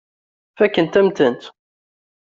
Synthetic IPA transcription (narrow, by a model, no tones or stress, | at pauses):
fækːənt̪æmt̪ənt̪